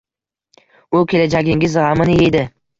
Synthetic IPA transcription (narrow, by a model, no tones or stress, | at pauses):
ʊkʲʰe̞lad͡ʒaɡʲɪŋɡʲɪzʁamɪnɪe̞d̪ɪ